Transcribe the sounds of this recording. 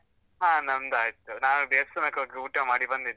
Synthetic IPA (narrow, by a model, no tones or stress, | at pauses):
ɦãːnɐnd̪aːjt̪ːunaːuɖeːsɐnɐkɐuːʈːɐmaːɽibɐnd̪id̪